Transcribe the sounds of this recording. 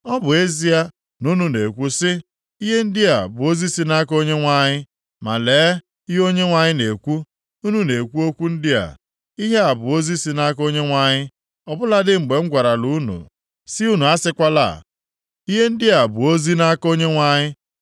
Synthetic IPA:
ɔ˦bʊ˨e˦zi˦a˦ | nu˦nu˨ne˨kʷu˦sɪ˦ | i˦ɦe˦n̩˦dɪ˦a˨bʊ˨o˦zi˦si˦na˦ko˦ɲe˦ŋʷa˨ɲɪ˦ | ma˨leː˨˦ | i˦ɦo˦ɲe˦ŋʷa˨ɲɪ˦ne˨kʷu˦ | u˦nu˦ne˨kʷu˦o˦kʷu˦n̩˦dɪ˦a̰˨ | i˦ɦe˦a˨bʊ˨o˦zi˦si˦na˦ko˦ɲe˦ŋʷa˨ɲɪ˦ | ɔ˨bʊ˦la˦dɪ˦ŋ͡m̩˨ɡ͡be˨ŋ̩˦ɡʷa˨ɾa˨lu˦nṵ˨ | sɪ˦u˦nu˨a˦sɪ˦kʷa˦la̰˦˨ | i˦ɦe˦n̩˦dɪ˦a˨bʊ˨o˦zi˦na˦ko˦ɲe˦ŋʷa˨ɲɪ˦

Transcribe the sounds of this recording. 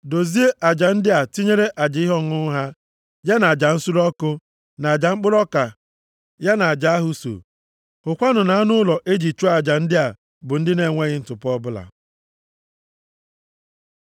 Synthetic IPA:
do˨zi˦e˦ʔa˨d͡ʒa˨n̩˦dɪ˦a˨ti˦ɲe˦ɾe˦ʔa˨d͡ʒɪ˨˦ɪ˦ɦɔ˦˨ŋʊ˦ɦa˦ | ja˦na˨a˨d͡ʒa˨n̩˦su˦ɾɔ˦kʊ˦ | na˨a˨d͡ʒa˨ŋ͡m̩˦k͡pʊ˦ɾɔ˦ka˨ | ja˦na˨a˨d͡ʒa˨a˦ɦʊ˦so̰˨ | hʊ˨kʷa˦nʊ˨na˨˦a˦nʊ˦lɔ˨ʔe˦d͡ʒi˨t͡ʃo˦a˨d͡ʒa˨n̩˦dɪ˦a˨ | bʊ˨n̩˦dɪ˦ne˨ŋʷe˦ɣɪ˦n̩˦tʊ˨pɔ˦bʊ˦la̰˨

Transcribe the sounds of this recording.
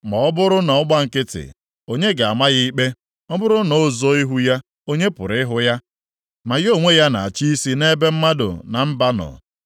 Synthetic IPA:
mɔ˨ɔ˦bʊ˦ɾʊ˦na˨ɔ˦ɡ͡ba˦ŋ̩˨kɪ˦tɪ̰˨ | o˦ɲe˦ɡa˨a˨ma˦ɣɪ˦i˦k͡pe˦ | ɔ˦bʊ˦ɾʊ˦no˦˨zo˦i˦ɦu˦ja˦ | o˦ɲe˦pʊ̰˨ɾɪ˦ɦʊ˦ja˦ | ma˨ɣo˦˨ŋʷe˦ja˦na̰˨a˨t͡ʃi˦i˦si˦ne˦be˦m̩˦ma˦dʊ̰˨na˨m̩˦ba˦nɔ̰˨

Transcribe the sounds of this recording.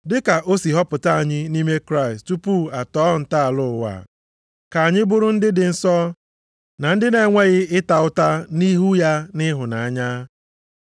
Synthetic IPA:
dɪ˦ka˨ʔo˦si˨ɦɔ˦pʊ˨ta˦a˨ɲɪ˦ni˦me˦kɾa˦ɪ˨stu˦pu˦a˨tɔː˦n̩˨ta˦a˨lʊ˦˨wa̰˨ | ka˨a˨ɲɪ˦bʊ˦ɾʊ˦n̩˦dɪ˦dɪ˨n̩˦sɔ˦ | na˨n̩˦dɪ˦ne˨˦ŋʷe˦ɣɪ˦ɪ˦ta˨ʊ˦ta˦ni˦ɦu˦ja˦nɪ˦ɦʊ˨na˨a˦ɲa˦

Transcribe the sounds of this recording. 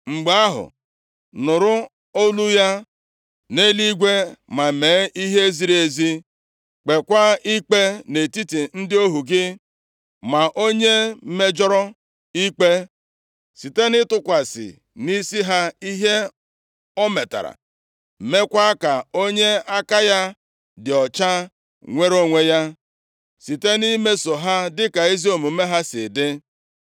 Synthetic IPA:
ŋ͡m̩˨ɡ͡ba˦ɦʊ̰˨ | nʊ˨ɾʊ˦ | o˦lu˦ja˦ | ne˦li˦ɡʷe˦ma˨me˨˦ʔi˦ɦe˦zi˨ɾe˨zi˦ | k͡pe˨kʷa˦i˦k͡pe˦ne˨ti˦ti˨n̩˦dɪ˦o˦ɦu˨ɡɪ˦ | ma˨ʔo˦ɲe˦me˦d͡ʒɔ˦ɾɔ˦ | i˦k͡pe˦ | si˨te˦nɪ˦tʊ˦kʷa˨sɪ̰˨ | ni˦si˦ɦa˦i˦ɦe˦ | ɔ˦me˨ta̰˨ɾa̰˨ | me˦kʷa˦ka˨o˦ɲe˦a˦ka˦ja˦ | dɪ˨ɔ˨t͡ʃa˦ | ŋʷe˦ɾo˦ŋʷe˦ja˦ | si˨te˦ni˦me˦so˨ɦa˦dɪ˦ka˨i˦zi˦o˨mu˨˦me˦ɦa˦sɪ̰˨dɪ˦

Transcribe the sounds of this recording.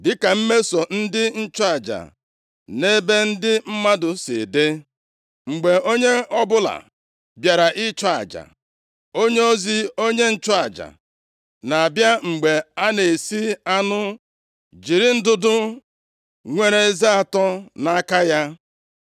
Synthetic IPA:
dɪ˦ka˨m̩˦me˦so˨n̩˦dɪ˦n̩˦t͡ʃɔ˦a˨d͡ʒa̰˨ | ne˦be˦n̩˦dɪ˦m̩˦ma˦dʊ˨sḭ˨de˦ | ŋ͡m̩˨ɡ͡be˨o˦ɲe˦ʔɔ˦bʊ˦la̰˨ | bja˨ɾa˨ʔɪ˦t͡ʃɔ˦a̰˨d͡ʒa̰˨ | o˦ɲe˦o˦zi˦o˦ɲe˦n̩˦t͡ʃɔ˦a˨d͡ʒa̰˨ | na˨a˨bja˦ŋ͡m̩˨ɡ͡be˨a˦ne˨si˦a˦nʊ˦ | d͡ʒi˨ɾi˨n̩˦dʊ˦dʊ˦ | ŋʷe˦ɾe˨e˦zi˦a˨tɔ˦na˦ka˦ja˦

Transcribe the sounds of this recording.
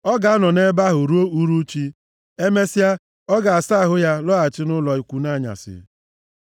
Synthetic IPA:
ɔ˦ɡa˨a˦nɔ˨ne˦ba˦ɦʊ˨ɾu˦o˦u˦ɾu˦t͡ʃi˦ | e˦me˦si˦a˦ | ɔ˦ɡa˨a˨sa˦˨ɦʊ˦ja˦lɔ˦a˨t͡ʃɪ˦nʊ˦lɔ˨i˨˦kʷu˦na˦˨ɲa̰˨sɪ̰˨

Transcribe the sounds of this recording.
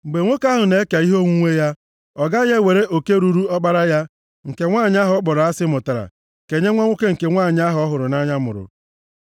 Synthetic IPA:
ŋ͡m̩˨ɡ͡be˨ŋʷo˦ka˦ɦʊ˨ne˦e˦ka˨i˦ɦo˦ŋʷu˦ŋʷe˦ja˦ | ɔ˨ɡa˦ɲe˦we˨ɾe˦ʔo˨ke˦ɾu˦ɾu˦ɔ˦k͡pa˦ɾa˦ja˦ | ŋ̩˨ke˨ŋʷaː˦˨ɲ˦a˦ɦɔ˨ɔ˦k͡pɔ˨ɾa˦sɪ˦mʊ˨ta˨ɾa̰˨ | ke˨ɲe˦ŋʷa˦ŋʷo˦ke˦ŋ̩˨ke˨ŋʷaː˦˨ɲ˦a˦ɦɔ˦ɦʊ˨ɾʊ˨na˦ɲa˦mʊ̰˨ɾʊ̰˨

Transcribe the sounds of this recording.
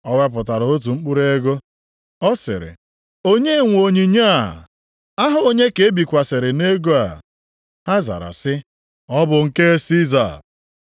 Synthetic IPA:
ɔ˦wa˦p̬ʊ˨ta˨ɾo˦t̬u˨ŋ͡m̩˦k͡pu˦ɾe˦ɡo˦ | ɔ˦sɪ̰˨ɾɪ̰˨ | o˦ɲe˦ŋʷ˨o˨ɲi˨ɲa˦˨ | a˦ɦʊ˨o˦ɲe˦ke˨e˦bi˨kʷa˨sɪ˨ɾɪ˨ne˦ɡo˦a̰˨ | ha˦za̰˨ɾa̰˨sɪ˦ | ɔ˦bʊ˨ŋ̩˨ke˦si˦za̰˨

